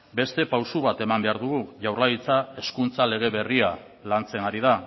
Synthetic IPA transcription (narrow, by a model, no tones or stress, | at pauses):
be̞st̪e̞pawsuβ̞at̪e̞mambe̞aɾðuɣuʝawrlaɣit͡sae̞skunt͡sale̞ɣ̞e̞βe̞ria | lant͡se̞ŋɡaɾið̞a